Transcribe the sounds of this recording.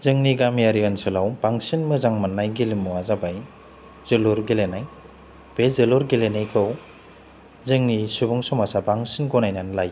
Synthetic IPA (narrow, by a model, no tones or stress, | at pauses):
zɯŋniɡamjaɾiansɯlawbaŋsinmɯzaŋmanːajɡilimːuazabaj | z̥ɯluɾɡelenaj | b̥ezɯluɾɡelenajkʰɯw | zɯŋnisubɔŋsɔmasabaŋsinɡɔnajnanlaj